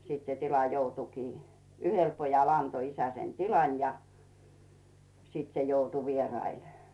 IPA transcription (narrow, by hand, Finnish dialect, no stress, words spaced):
sit se tilɑ joutukiː yhel pojɑl ɑnto isæ sen tilɑn jɑ siːt se joutu ʋierɑil